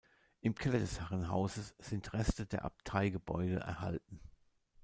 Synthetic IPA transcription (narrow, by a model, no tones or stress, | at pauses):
ʔɪmkʰɛlɐdɛshaʁənɦa̰ʊzəsz̥ɪntʁɛstədeːɐʔa̰p̚tʰaɪɡəbɔ̰ʏdə̰ʔɛ̰ɐha̰lt̚n̩